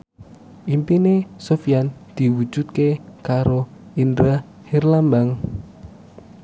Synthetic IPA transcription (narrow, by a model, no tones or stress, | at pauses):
impinesofijand̪̥i̤wud̥ʒ̥ṳt̪̚kekaɾoind̪ɾa | hirlambaŋ